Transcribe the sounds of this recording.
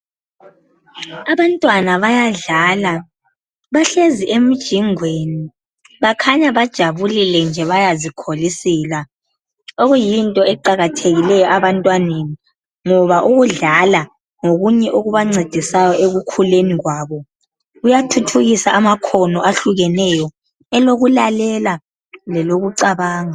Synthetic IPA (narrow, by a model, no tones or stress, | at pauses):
aβantʼwanaβajaɮala | βaɬeziʔem̩d̥ʒ̥ʱiŋweni | βakʰaɲaβad̥ʒ̥ʱaβulilɛnd͡ʒʱɛβajazikʰolisiːla | oɣujintʼɔɛǃaɣatʰeɣilɛjɔʔaβantʼwaneni | ŋɔβaʔuɣuɮala | ŋoɣuɲɛʔoɣuβaŋ͡ǀed̥ʱisajɔʔeɣukʰuleniɣwaːβɔ | ɣujatʰutʰuɣisaʔamakʰɔnɔʔaɬuɣɛnɛjɔ | ɛloɣulalɛla | lɛloɣuǀaβaːŋa